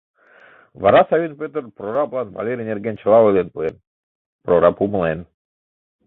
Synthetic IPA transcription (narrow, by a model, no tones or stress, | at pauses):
vɑɾɑsɑvʲinpʲøt̪ərpɾoɾɑplˠɑnva̰lʲeɾʲinʲerɡent͡ɕɤ̆lˠɑolʲˠenpuen | proɾɑpumə̆lˠen